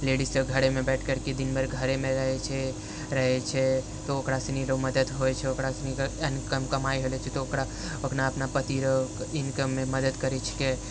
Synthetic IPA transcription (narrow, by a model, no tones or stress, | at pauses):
leɖisəbɡʱəɾemẽbɛʈʰkəɾked̪inmeɾɡʱəɾemẽɾəɦɛt͡ʃʰɛ | ɾəɦɛt͡ʃʰɛ | t̪ookɾasiniɾoməd̪əd̪ɦoɛt͡ʃʰɛokɾasinikənkəmkəmaiɦolɛt͡ʃʰɛt̪ookɾa | oknaəpnapət̪iɾoinkəmːẽməd̪əd̪kəɾɛt͡ʃʰke